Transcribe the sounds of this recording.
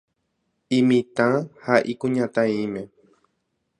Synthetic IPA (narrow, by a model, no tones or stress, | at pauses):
ĩmĩt̪ãhaʔikũɲãt̪ãĩmẽ